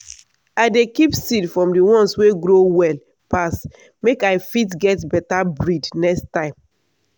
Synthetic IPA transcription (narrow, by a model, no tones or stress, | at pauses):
aɪdekipsidfɹɔ̃mdiwɔ̃nsweɡɹowɛl | pas | mekaɪfitɡɛtbɛtabɹidnɛkstãɪ̃m